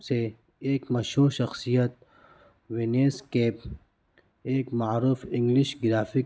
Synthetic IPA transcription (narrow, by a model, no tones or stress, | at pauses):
se | eːkmɐʃhuːɾʃɐxsijɐt̪̚ | weneːskeːp | eːkmaɾuːfɪŋɡliʃɡɪɾaːfi